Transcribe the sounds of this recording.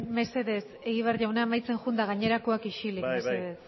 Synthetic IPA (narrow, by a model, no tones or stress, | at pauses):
me̞se̞ðe̞s | e̞ɣiβ̞earʝawnamajt͡se̞ŋʝund̪aɣ̞aɲe̞ɾakoakiʃilikmeseðess